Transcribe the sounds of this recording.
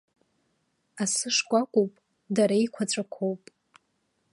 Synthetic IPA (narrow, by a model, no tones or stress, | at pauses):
asɨʂkʷʼakʷʼupʼ | daɾaijkʷʰat͡ɕʷʼakʷʰowpʼ